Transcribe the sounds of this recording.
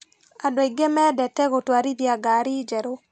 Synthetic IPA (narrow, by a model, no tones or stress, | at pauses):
adɔiɡemɛdɛtɛɣotwaɾidiaɡaɾid͡ʒɛɾo